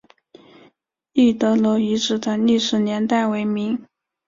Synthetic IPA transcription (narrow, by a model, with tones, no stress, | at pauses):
i˥˩t̪ɤ˧˥lo˧˥ʊi˧˥ʈ͡ʂɻ̩˨˩d̪ə˦li˥˩ʂɻ̩˧˥njɛ˧˥nt̪a˥˩ɪwe˧˥ɪmi˧˥ŋ